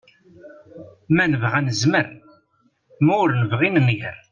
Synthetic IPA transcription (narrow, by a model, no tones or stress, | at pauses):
mænəvʁænəzməɾ | mæʊɾnəvʁinnʝə̰ɾ